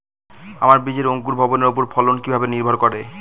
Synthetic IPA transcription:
a̰maɾbid͡ʑeɾoŋkuɾbʱɔboneɾopoɾfʰɔlonkibʱabeniɾbʱoɾkɔɾe

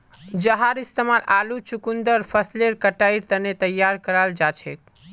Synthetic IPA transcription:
d͡ʒəɦaɾist̪emalalut͡ʃukund̪əɾpʰəsleɾkəʈaiɾt̪ənet̪əjːaɾkəɾald͡ʒat͡ʃʰḛk̚

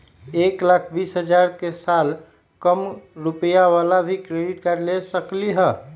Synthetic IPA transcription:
eːklakʰbisɦəd͡ʒaɾkesaːl | kəmɾupəjawalabʱikɾeɖiʈkəɾlesəkliɦə

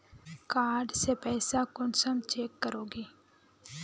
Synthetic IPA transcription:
kaːɾɖsepɛːsakʊnsəmt͡ʃeːkːəɾoːɡeː

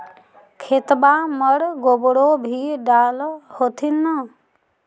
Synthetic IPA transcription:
kʰet̪baməɽɡobɽobʱiɖaːlhot̪ʰinːə

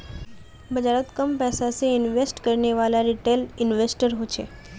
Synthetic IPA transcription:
bəd͡ʒaɾət̪kəmpɛsaseɪnʋesʈkəɾneʋalaɾiʈelɪnʋesʈəɾɦot͡ʃʰḛ

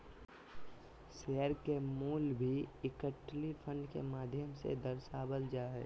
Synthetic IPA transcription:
seːəɾkemuːlbʱiɪkəʈlipʰə̃ɳɖkemaːd̪ʱjəmsḛd̪əɾsaːbəld͡ʒaːɦɛ̰ː

